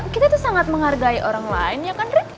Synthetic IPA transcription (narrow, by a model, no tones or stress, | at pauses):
kit̪ait̪usaŋat̪̚məŋharɡaiʔoɾaŋlaɪnjakanrik̪